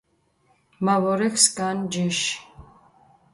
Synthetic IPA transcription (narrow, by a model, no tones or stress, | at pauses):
mavɔɾɛkʰskʼand͡ʒiʃ